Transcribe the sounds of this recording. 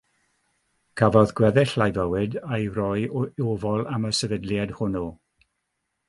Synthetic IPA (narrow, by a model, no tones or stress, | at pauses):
kʰavɔðɡ̥wɛðɪɬlajvəwɨdajrɔjovɔlˠaməsɛvədljad̥hʊno